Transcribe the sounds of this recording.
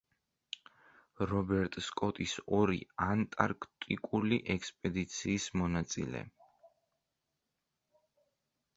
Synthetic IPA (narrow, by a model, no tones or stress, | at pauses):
ɾɔbɛɾt̪ʼskʼɔt̪ʼisɔɾiant̪ʼaɾkʰt̪ʼikʼuliʔɛkspʼɛd̪it̪sʰiːsmɔnat̪sʼḭlɛ̰